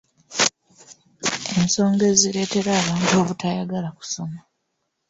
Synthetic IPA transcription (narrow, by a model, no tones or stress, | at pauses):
e̞miso̞ːŋɡe̞ziɾe̞ːte̞ɾaːβaːntuo̞ːβutajaɡalaku̥so̞ma